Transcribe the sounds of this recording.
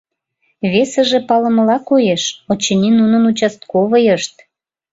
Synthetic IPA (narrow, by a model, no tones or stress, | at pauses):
βesəʒepɑlə̆məlɑkojeʃot͡ɕenʲinunənut͡ɕɑst̪koβəjəʃt̪̚